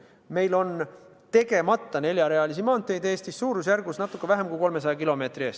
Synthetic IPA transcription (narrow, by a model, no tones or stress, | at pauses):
me̞jlo̞n | t̪e̞ɡe̞mɑt̪ˑːɑne̞lʲjɑɾe̞ɑlis̬imɑːnt̪ːˑejd̪e̞ːst̪isːuːɾusjærɡ̥usnɑt̪ːˑukːevæɦemkujko̞lme̞s̬ɑjɑkilo̞me̞ːt̪rieːst̪